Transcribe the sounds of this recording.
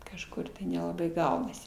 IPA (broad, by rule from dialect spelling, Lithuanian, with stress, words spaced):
kɐʃˈkʊr tɐɪ nʲɛlˠɐˈbɐɪ ˈɡɐʊnɐsʲɪ